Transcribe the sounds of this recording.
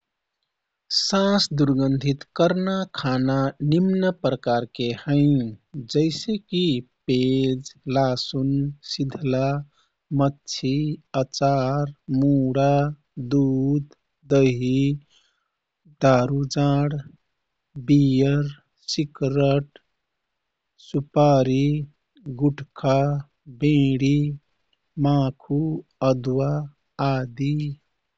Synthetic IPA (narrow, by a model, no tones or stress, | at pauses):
sãsd̪uɾɡənd̪ʱit̪kəɾnakʰananimnəpɾəkaɾkehə̃ɪd͡ʒəɪsekiped͡ʒlasunsid̪ʱla | mətːt͡ʃʰiət͡ʃaɾmuɽa | d̪ud̪ː | əɦi | d̪aːɾud͡ʒãːɽ | bijəɾ | sikɾəʈ | supaɾi | ɡuʈkʰa | bẽɽi | mãkʰuəd̪waː | d̪i